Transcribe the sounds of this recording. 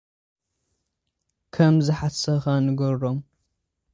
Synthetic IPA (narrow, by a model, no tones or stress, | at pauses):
kʰɐmzɨħasɐxanɨɡoɾom